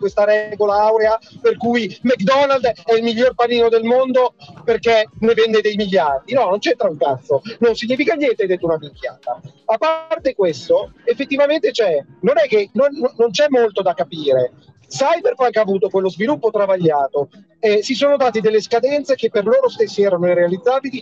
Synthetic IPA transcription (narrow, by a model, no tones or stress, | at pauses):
kwest̪aɾɛɡolaawɾeaperkujmɛkd̪ɔnald̪ɛilmiʎːorpaɾiːnod̪elmond̪operkenevɛnd̪ed̪ejmiʎːard̪inɔnont͡ʃɛt̪ːɾauŋkat̪sononsiɲːiːfikaɲjɛnt̪eajd̪et̪ːounaviŋkja̰ːt̪a | apːart̪ekwest̪oefːet̪ːivament̪et͡ʃɛnonɛk̟ːenonːont͡ʃɛmːolt̪od̪akːapiːɾe | sajperkɛaŋkeavuːt̪okwelːozvilupːot̪ɾavaʎːaːt̪o | ɛsisoːnod̪aːt̪id̪elːeskad̪ɛnt̪sekepːerloːɾost̪esːiɛːɾanoirealid̪zːaːbili